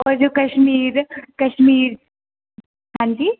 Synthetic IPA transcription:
ɔːɾd͡ʒoːkɐʃmiːɾkɐʃmiːɾ | ɦãːɲd͡ʒi

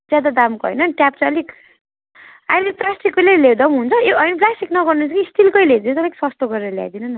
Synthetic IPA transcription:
d͡zjad̪ad̪amkoɦʌ̰jnʌʈjap̚t͡sʰʌʌlik | a̰ilet̪rasʈikːolelewd̪ʌmɦunt͡sʰʌjoʌjnplasʈiknʌɡʌrnunt͡sʰʌkiːst̪ʰilkʌjled̪int̪ʌlakisʌst̪oɡʌɾeɾʌlja̰jd̪inʌn

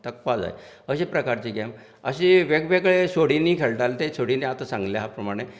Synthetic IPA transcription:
t̪ək̚pad͡za̰ḛ | əɕepɾəkaɾt͡ɕiːɡɛm | əɕeʋeɡʋeɡɭesoɽinːiːkʰeɭʈalt̪esoɽiniat̪asãŋɡljaɦapɾəmaɽ̃e

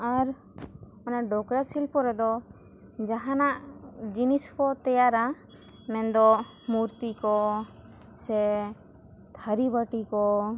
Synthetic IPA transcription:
aɾ | ɔnaʔɖɔkɾasilpɔɾɛd̪ɔ | d͡ʒaɦanaʔd͡ʒiniskɔt̪ɛjaɾa | mɛnd̪ɔ | muɾt̪ikɔ | sɛ | t̪ʰaɾibaʈikɔ

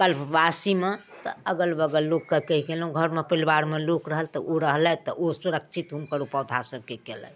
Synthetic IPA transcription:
kəlpbasimet̪ə̰əɡəlbəɡəlːokːəkəɦikelɦũɡʱəɾmepəlbaɾmelokɾəɦəlt̪ɔʔoɾəɦlɛt̪ɔʔosuɾəkt͡ʃʰit̪ɦumkəɾupəwd̪ʱasəb̚ʱkekɛlɛ̰

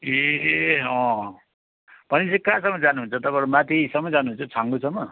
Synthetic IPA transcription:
e | ʌ̃ | pʌnisikasʌmːʌd͡zanuɦunt͡sʰʌt̪ʌpãɾumat̪isʌmːʌd͡zanuɦunt͡sʰʌt͡sʰaŋɡusʰʌmːʌ

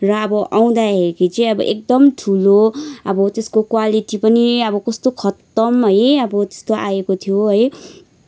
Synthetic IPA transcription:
rʌʌbʌʔaw̃d̪aɦeɾikit͡sʌj̃ʌbʌ̰ʔek̚d̪ʌmʈʰuloʌbʌt̪eskokwaliʈipʌniʌbʌkʌst̪okʰʌt̪ʌmɦʌjʌbʌt̪e̥st̪oʔaekot̪ʰijoɦʌj

